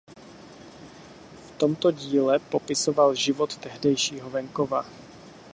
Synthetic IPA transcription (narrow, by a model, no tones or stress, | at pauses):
ft̪o̞mt̪o̞ɟiːlɛpo̞pɪso̞valʒɪvo̞t̪ːɛɦdɛjʃiːɦovɛŋkova